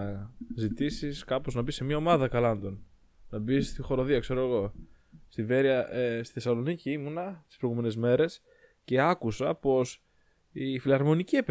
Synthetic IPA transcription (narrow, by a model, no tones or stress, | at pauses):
zit̪isiskɐpo̞znɐbise̞mɲɐo̞mɐðɐkɐlɐnd̪o̞n | nɐbist̪ixo̞ɾo̞ðiɐkse̞ɾo̞eɣo̞ | st̪ive̞ɾiɐest̪iθesɐlo̞niciimunɐsi̥spɾo̞jɣume̞ne̞zme̞ɾe̞s | ce̞ɐkusɐpo̞s | ifilɐɾmo̞niciep